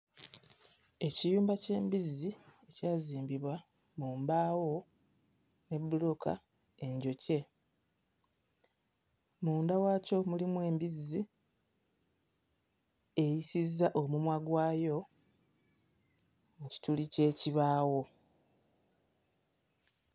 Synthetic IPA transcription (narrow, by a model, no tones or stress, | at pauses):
e̞cijuːmbace̞ːmbizːie̞caːziːmbiβwa | muːmbaːwo̞ | ne̞bːuloka̰ | e̞ɲɟo̞ce̞ | muːndawaːco̞mulimwe̞ːmbizːi | e̞jisizːaʔo̞mumwaɡwaːjo̞ | muci̥tulice̞ːciβaːwo̞